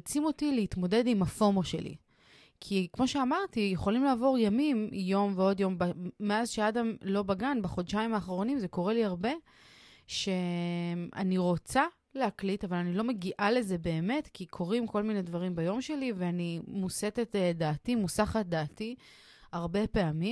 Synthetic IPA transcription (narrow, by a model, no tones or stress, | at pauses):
t͡simo̞tileit̪mo̞de̞dimafo̞moʃe̞̰lḭ | kʰikmo̞ʃeamaʁtijeχo̞limlaːvo̞ʁjamimjo̞mveo̞djo̞mbameazʃeadamlo̞baɡanbeχo̞dʃaimaːχʁo̞nimzeko̞ʁe̞liaʁbe̞ | ʃe̞ | a̰niʁo̞t͡sa | lehaklitavalanilo̞meɡiʔale̞ze̞be̞ːme̞tkikʰo̞ʁimko̞lmine̞dvaʁimbajo̞mʃe̞liveanimuse̞tetdaːtimusaχat̚d̪aːti | aʁbe̞pe̞ami